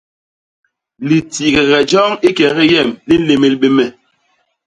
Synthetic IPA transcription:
li˨ti˨ɣɛ˨ɣɛ˨d͡ʒɔ˦ŋi˦kɛ˨ɣɛ˦jɛ˦˨mli˦n̩˦le˨me˨lɓe˦mɛ˨

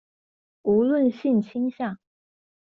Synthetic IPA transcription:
u˧˥lwə˥˨nɕi˥˩nt͡ɕʰi˥ŋɕjɑ˥˩ŋ

